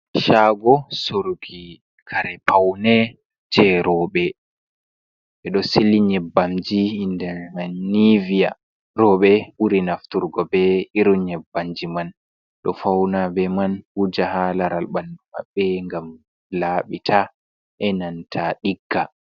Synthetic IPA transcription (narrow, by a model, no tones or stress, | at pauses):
ʃaːɡɔsoɾuɡi | kʰaɾɛpʰawnɛ | d͡ʒɛɾɔɓɛ | ʔɛɗɔseliɲɛbːamd͡ʒiindɛmannivija̰ | ɾɔɓɛʔuɾinaftuɾɡɔbɛiɾuɲɛbːamd͡ʒiman | ɗɔfawnabɛmanhud͡ʒahalaɾalɓanduma̰ɓːɛŋɡam | laːɓitʰa | ʔɛnantʰaɗiɡːa